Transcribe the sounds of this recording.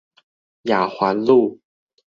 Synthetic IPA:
ja˨˩xwa˧˥˦nlu˥˨

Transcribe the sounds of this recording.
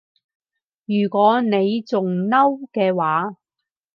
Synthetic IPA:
jyː˨˩kʷɔː˨˥ne˨˧jt͡sʊ˨ŋnɐ˥wkɛː˧waː˨˥

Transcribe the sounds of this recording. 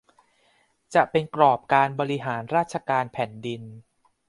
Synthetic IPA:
t͡ɕa˨˩ʔpe˧nkɾɔː˨˩p̚kaː˧nbɔː˧ɾi˧ɦaː˩˦nɾaː˥˩t̪̚t͡ɕʰa˧kaː˧npʰɛː˩˦ndi˧n

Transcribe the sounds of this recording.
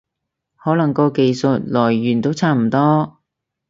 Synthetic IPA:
hɔː˨˥lɐ˨˩ŋkɔː˧ke˨˧jsə˨t̚lɔː˨˩jːyː˨˩nt̪o˥wt͡sʰaː˥m̩˨˩t̪ɔː˥

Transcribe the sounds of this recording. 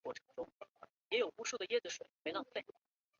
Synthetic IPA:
wɔ˥˩ʈ͡ʂʰɤ̥˧˥ŋʈ͡ʂʊ˥ŋ | jɛ˧˥jo˨˩ʊu˥ʂu˥˩d̪ə˩jɛ˥˩d͡z̩˨˩ʂwe˨˩ɪme˧˥ɪlɑ˥ŋfe˥˩

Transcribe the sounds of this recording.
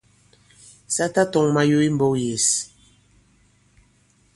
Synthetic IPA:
sa˦ta˦tɔ˨ŋma˦jo˦i˦m̩˦bɔ˦je˨s

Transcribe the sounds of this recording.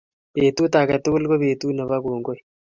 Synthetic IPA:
pe˨t̪u˦t̪a˨kɛ˨t̪ʊ˦kʊ˦lko˦pe˨t̪u˦nə˨βa˦koː˨ŋɡo˦j

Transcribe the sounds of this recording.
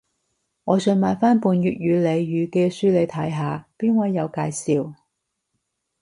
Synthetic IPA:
ŋɔː˨˧sɵ˧nmaː˨˧jfaː˥npuː˨˧njyː˨t̚jyː˨˧le˨˧jːyː˨˧kɛː˧syː˥le˨˧jt̪ʰɐ˨˥jɦaː˨˧piː˥nwɐ˨˥jːɐ˨˧wkaː˧jsiː˨w

